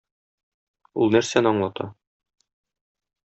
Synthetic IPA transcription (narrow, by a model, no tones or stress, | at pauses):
ṵlˠnæɾsænɒɴlˠɑt̪ʰɑ̰